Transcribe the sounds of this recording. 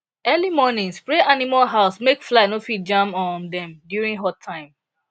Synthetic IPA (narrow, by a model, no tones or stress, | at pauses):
ɛlimɔnĩŋspɹeʔanimalɦaʊsmekflanofid͡ʒãmɔ̃ndɛ̃mdjuɹĩŋɦɔtʰãɪ̃m